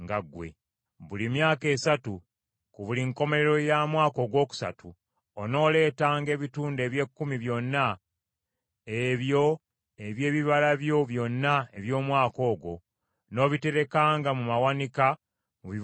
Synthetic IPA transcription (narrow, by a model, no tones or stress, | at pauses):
ŋɡaɡwe̞̰ | βulimjaːke̞ːsatu | kuβuliŋko̞me̞ɾe̞ɾo̞jamwaːko̞ːɡwo̞ːku̥sa̰tʰu | ono̞ːle̞ːtaːŋɡe̞ːβituːnde̞ːβje̞kːumiβjo̞nːa | eβjo̞ | eβje̞ːβiβalaβjo̞βjo̞nːaeβjo̞ːmwaːko̞ːɡo̞̰ | no̞ːβite̞ɾe̞kaːŋɡamumawanika | muβi